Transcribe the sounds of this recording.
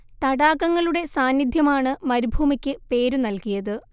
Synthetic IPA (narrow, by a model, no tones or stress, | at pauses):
t̪ɐɽaːkːɐŋːɐɭuɽe̞saːnːid̪ʱjɐmaːɳɨmɐɾubʱuːmikʲːɨpe̞ːɾunɐlkijɐðɨ